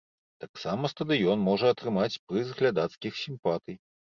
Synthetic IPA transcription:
t̪aksamɐst̪ɐd̪ɨjɔnmɔʐɐɐt̪ɾɨmat͡sʲpɾɨzɣlʲad̪at̪skʲixsʲimpat̪ɨj

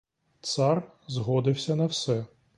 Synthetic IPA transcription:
t̪sɑr | zɦɔd̪ɪwsʲɐnɐwsɛ

